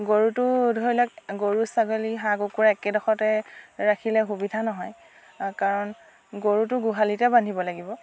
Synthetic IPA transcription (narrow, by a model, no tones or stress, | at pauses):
ɡoɹutʊdʱojlak̚ɡoɹusaɡoliɦaɡokuɹaɛkɛdɔxɔtɛɹakʰilɛxubidʱanɔɦɔj | kaɹɔn | ɡoɹutʊɡuɦalitɛbandʱibɔlaɡibɔ